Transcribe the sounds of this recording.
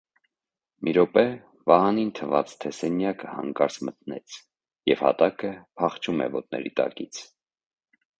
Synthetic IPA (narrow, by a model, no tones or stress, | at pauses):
mʔiɾɔpɛ | vɑhɑnint̪ʰəvɑt͡st̪ʰɛsɛnjɑkəhɑ̰ŋkɑɾt͡smət̪nɛt͡sʰ | jɛv̥hɑ̰t̪ɑkəpʰɑχt͡ʃʰumɛ̰vɔt̪̚nɛ̰ɾit̪ɑ̰kit͡sʰ